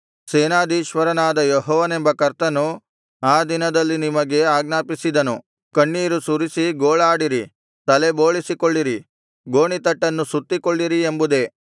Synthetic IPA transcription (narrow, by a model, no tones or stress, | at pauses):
seːnaːd̪iːʃʋɐɾɐnaːd̪ɐjɔɦɔːʋɐne̞mbɐkɐɾt̪ɐnu | aːd̪inɐd̪ɐlːinimɐɡe̞aːɡnaːpisid̪ɐnu | kɐɳːiːɾusuɾisiɡoːɭaːɽiɾi | t̪ɐle̞bo̞ːɭisikoɭːiɾi | ɡo̞ːɳit̪ɐʈːɐnːusut̪ːikoɭːiɾiembud̪e̞